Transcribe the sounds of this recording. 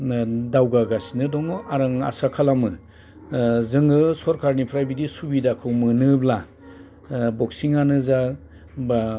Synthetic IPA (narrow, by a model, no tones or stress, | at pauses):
dawɡaɡasinɯdɔŋɯaɾɯŋa̰sakʰalamɯ | zɯŋɡɯsɔɾkʰaɾnipʰɾajbidisubidakʰɯwmɯnɯbla | bɔksiŋanɯza | ba